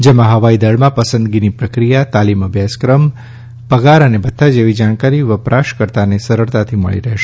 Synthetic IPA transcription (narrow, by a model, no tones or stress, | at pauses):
d͡ʒemãɦəʋaid̪əɭmãpəsə̃nd̪ɡinipɾəkɾijat̪aliməbʱjaskɾəm | pəɡaɾənebət̪ʰːad͡ʒeʋid͡ʒaɳ̃kaɾiʋəpɾʔaʃkəɾt̪anesəɾəɾt̪at̪ʰimə̰ɭḭɾəɦʃe